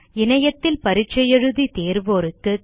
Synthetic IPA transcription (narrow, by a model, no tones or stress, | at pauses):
ɪnɐjɐt̪ːɪlpɐɾɪt͡ʃːɐjɛɻɯðit̪eːɾʋoːɾɯkːɯ